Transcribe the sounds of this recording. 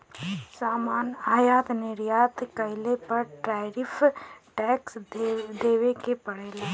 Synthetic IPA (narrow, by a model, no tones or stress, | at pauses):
saːmaːnaːjaːt̪nɪɾjaːt̪kɐɪlepɐɾʈɾaːɪɾɪfʰʈɛːksd̪eːʋekepɐɽeːlaː